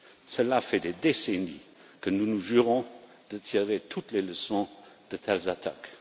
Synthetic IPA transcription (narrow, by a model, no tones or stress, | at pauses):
səlafɛd̪ed̪eseni | kənunuʒyʁɔ̃ | d̪̥ət̪ʰiʁet̪ʰut̪leləsɔ̃d̪̥ət̪ʰɛlzat̪ʰak